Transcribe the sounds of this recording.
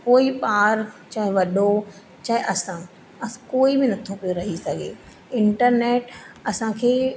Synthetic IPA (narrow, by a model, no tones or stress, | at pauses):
koːipaːɾt͡ɕaːɦɪ̃ʋɐɗo | t͡ɕaːɦɪʔɐsã | ɐskoːibɪnɐt̪ʰopijoɾɐɦisɐɡʱḛː | ɪ̃ɳʈəɾneːʈɐsãkʰeː